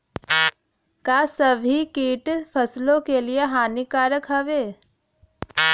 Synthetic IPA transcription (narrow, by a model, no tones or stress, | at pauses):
kaːsɐbʱikiːʈpʰɐslõkelieɦaːnikaːɾəkɦəʋeː